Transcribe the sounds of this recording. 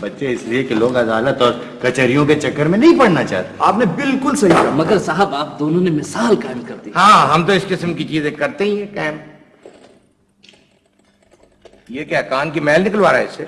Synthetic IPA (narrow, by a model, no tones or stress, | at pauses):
bɐtːʃeɪsliekeloːɡɐd̪aːlət̪ɔːɾ | kɐt͡ʃəɾijõket͡ʃɐkːəɾmẽnɐɦĩpɐɽ̤nat͡ʃa̰ɦt̪eaːpnebɪlkʊlsɐɦikamɐɡəɾsaːɦəbaːp̚d̪oːnõnemɪsaːlkaːɪmkɐɾt̪iɦãːɦɐmt̪oɪskɪsmkit͡ʃiːzẽkɐɾt̪eɦĩɛkɛːm | jekjaːkaːnkimɛːlnɪkəlʋaːɾaɦɛɪse